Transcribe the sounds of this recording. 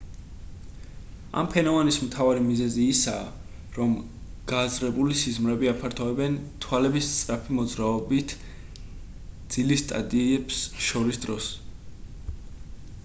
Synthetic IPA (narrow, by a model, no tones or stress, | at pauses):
a̰mpʰɛnɔvanismt̪ʰavaɾimizɛziːsaː | ɾɔm | ɡ̥azɾɛbulisizmɾɛbiapʰaɾt̪ʰɔɛbɛnt̪ʰwalɛbist̪sʼɾapʰimɔd̪zɾaɔbit̪ʰ | d̪z̥ilist̪ʼa̰d̪ʼiɛbsʃɔɾisd̪ɾɔs